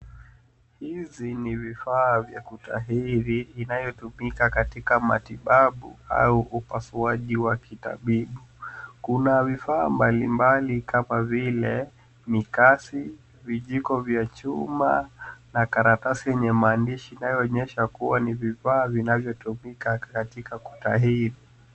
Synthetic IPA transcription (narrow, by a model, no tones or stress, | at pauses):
hizinivifaːvjakuta̰ɦiɾiːnajɔtumikakatikama̰tiɓaɓṵa̰uʔupasuaʄiwakita̰ɓiɓukunavifaːmbalimbalikamavilɛ | mikasi | viʄikɔvjat͡ʃuma̰nakaɾatasijɛɲɛmaːndiʃiːnajɔːɲɛʃakuwanivifaːvinavjɔtumikakatikaku̥taɦiɾi